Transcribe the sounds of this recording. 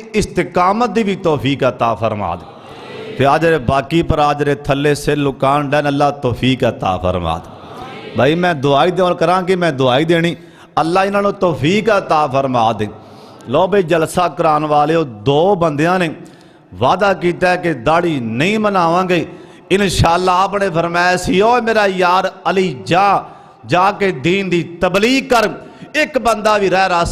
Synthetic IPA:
ɪst̪ɪkaːmət̪̚d̪iːʋit̪ɔːpʰiːkət̪aːpʰəɾma̰ːd̪eː | pʰeɾaːd͡ʒɾeːbaːkiːpəɾaːd͡ʒɾeːt̪ʰəlːeːselʊkaːnɖɛːnəlːaːt̪oːpʰiːkət̪a̰ːpʰə̰ɾma̰ːd̪ | bʱaːiːmɛ̃ːd̪ʊaːiːd̪eõːlkəɾãːkɪmɛ̃ːd̪ʊaːiːd̪eːɽ̃iː | əlːaːɪnãːnũːt̪ɔːpʰiːkət̪aːpʰəɾmaːd̪ẽː | lɔːbeːd͡ʒəlsaːkəɾaːnʋaːleːoːd̪oːbənd̪ejãːneː | ʋaːd̪aːkiːt̪aːɛkɪd̪aːɽiːnəĩːmənaːʋãːɡiː | ɪnʃaːlːaːaːpneːpʰəɾmaːsɪjoːmeːɾaːjaːɾəliːd͡ʒãː | d͡ʒãːkeːd̪iːnd̪iːt̪əbliːkəɾ | ɪkbənd̪aːʋiːɾɛːɾaːs

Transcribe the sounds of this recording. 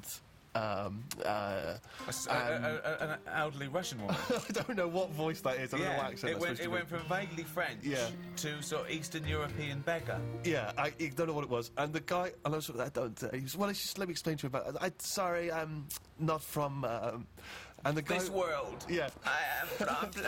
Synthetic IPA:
ʌ̃mʌ̰əə̃əəə̃nɛlˠdəliɹʌʃə̃nwʌ̰̃aɪdõʊ̃nːoʊwɒtvɔɪsðətɪzãæ̃wʌakʃə̃ɪʔwɛ̃wɛ̃ntfɹə̃ɱveɪɡlifɹɛ̃njætʰəsɔiˑstənjɔːɹəpʰĩə̃nbɛɡə̰jæaɪɨdõʊ̃noʊwɔɾɪʔ̚wɒzʔə̃nðəɡaɪəɪnoʊsɔaɪdõʊ̃ntʌ̰iwswɛlˠaʌslɛt̚miɛksplẽɪntʰəjəbaʔa̰ɪsɑɹiʌ̃m | nətfɹə̃mʌ̃mʔə̃nðəɡaɪswɜːlˠd̥jæaɪ

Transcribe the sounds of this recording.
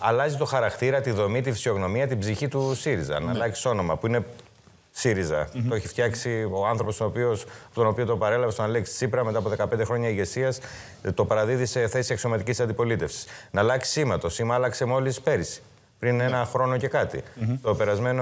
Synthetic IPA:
ɐlɐzit̪o̞xɐɾɐkt̪iɾɐt̪iðo̞mit̪̬ifi̥sio̞ɣno̞miɐt̪ibziçit̪usiɾizɐ̰nɐlɐksi̥so̞no̞mɐpuine̞ | siɾizɐ̰t̪oeçi̥ft̪çɐksio̞ɐnθɾo̞po̞st̪oopio̞spot̪ono̞piot̪opɐɾe̞lɐvest̪onɐlekssipɾɐme̞t̪ɐpoðe̞kɐpnd̪e̞xɾo̞ɲɐiʝe̞siɐs | t̪o̞pɐɾɐðiðise̞θe̞siekso̞mɐt̪icisɐnd̪ipo̞lit̪e̞fsi̥snɐlɐksi̥simɐt̪o̞simɐlɐkse̞mo̞lispe̞ɾisi̥ | pɾine̞nɐxɾo̞no̞ce̞kɐt̪ḭt̪o̞pe̞ɾɐzme̞no

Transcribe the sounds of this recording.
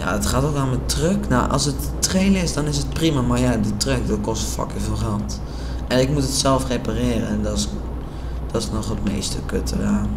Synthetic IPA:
ja̰ətχaːtokanmətrøknawʔɔ̰lˠsətːreːlɪsdɔnɪsət̚primamarjadətrøk̚dɔkɔstəfɔ̰kəvɪlˠχant | ɛnɪk̚mutətsɛlˠfrepareːrə̰ɛndɔs | d̥ɔtnɔχətmḛːstəkø̰tʰəra

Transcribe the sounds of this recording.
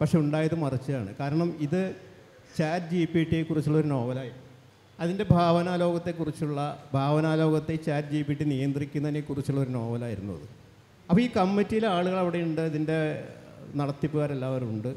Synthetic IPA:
pɐkʂe̞uɳɖaːjɐðɨmɐrit͡ɕːɐðaːɳɨ̰kaːɾɐɳɐmiðɨ | t͡ɕaːdd͡ʑijipːijiʈːikːurit͡ɕːuɭːo̞ɾuno̞ːbɐlaːjiɾunːu | ɐðinde̞bʱaːʋɐnaːlo̞ːɡɐt̪ːe̞kːurit͡ɕːuɭːɐbʱaːʋɐnaːlo̞ːɡɐt̪ːe̞t͡ɕaːdd͡ʑijipːiʈːinijɐnd̪rikʲːunːɐʋinekːurit͡ɕːuɭːɐo̞ɾuno̞ːbɐlaːjiɾunːṵɐ̰ðɨ | ɐpːoːiːkɐmːitːijileaːɭuɣɐɭɐʋiɽe̞juɳɖɨɐðinde̞ | nɐɽɐt̪ːipːuɣaːɾelːaːʋɐɾuɳɖɨ

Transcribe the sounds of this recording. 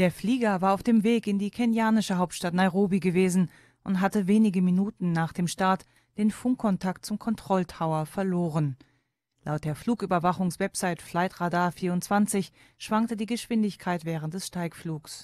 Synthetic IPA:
d̥eːɐfliːɡɐvaːɐaʊfd̥eːmveːkɪndiːkʰɛnjaːnɪʃəɦaʊp̚tʃtatnaɪʁoːbiɡəveːzn̩ | ʔʊntɦatəveːnɪɡəminuːtn̩naːχd̥eːmʃtaɐt | d̥eːnfʊŋkʰːɔntʰakt̚t͡sʊmkʰɔntʁ̥ɔltʁaʊɐfɛɐloːʁən | la̰ʊt̚d̥eːɐfl̥uːkʔyːbɐvaχʊŋsv̥ɛpz̥aɪtflaɪtʁadaːɐfiːɐʊntt͡sv̥ant͡sɪç | ʃv̥aŋk̚tədiːɡəʃv̥ɪndɪçkʰaɪtv̥ɛːʁ̞ənt̚d̥ɛsʃtaɪkfluːks

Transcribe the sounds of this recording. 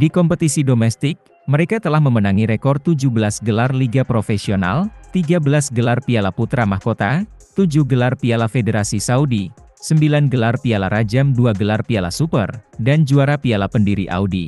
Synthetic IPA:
dikɔmpət̪isidomɛst̪ɪk̚ | məɾekat̪əlahməmənaŋiɾekɔrt̪ud͡ʒuhbəlasɡəlarliɡapɾofesiona̰lt̪iɡabəlasɡəlarpialaput̪ɾamahkot̪at̪ud͡ʒuhɡəlarpialafedeɾasisaudi | səmbilanɡəlarpialaɾad͡ʒamduaɡəlarpiala̰supə̰rdand͡ʒuaɾapialapəndiɾiʔa̰udḭ

